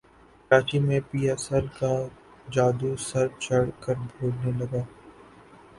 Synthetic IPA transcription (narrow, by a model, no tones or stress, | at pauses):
kɾaːt͡ʃimẽpiːjasəlka | d͡ʒaːd̪usɐɾt͡ʃɐɽ̤kəɾbʱoːlnelɐɡaː